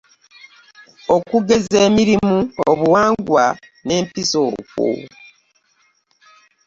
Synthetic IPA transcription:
o̞kuɡe̞zeːmiɾimuoβuwaːŋɡwa | ne̞ːmpiso̰ːkwṵ

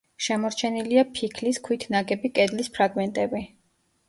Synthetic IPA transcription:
ʃɛmɔɾt͡ʃʰɛniliapʰikʰliskʰwit̪ʰnaɡɛbikʼɛd̪lispʰɾaɡmɛnt̪ʼɛbi

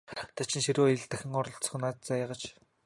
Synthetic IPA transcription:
t̪ʰat͡ɕɪ̆nʃiɾoːeɮt̪æxʲɪ̆ŋʊɾɞ̆ɬt͡s̆χ̆naːt̪̚t͡sajăʁə̆t͡ɕ

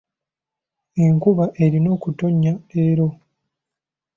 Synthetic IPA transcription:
eŋkuβaʔe̞ɾino̞ːkuto̞ɲːae̞ɾo̞

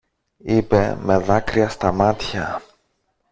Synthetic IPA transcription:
ipe̞̰me̞ðɐkɾiɐst̪ɐmɐt̪çɐ

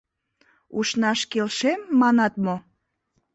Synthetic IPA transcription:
uʃnɑʃkelʃemːɑnɑt̪mo

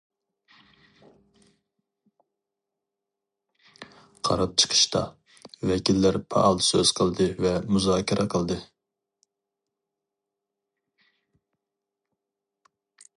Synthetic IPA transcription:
qʰɑɾɑp̚t͡ʃʰə̥qʰə̥ʃt̪ʰɑ̰ | vɛkʲilːɪɾpʰɑ̰ʔɑlˠsøz̥qʰəlˠd̪ɨvɛmuzɑːkʲiɾɛqʰəlˠd̪ɨ

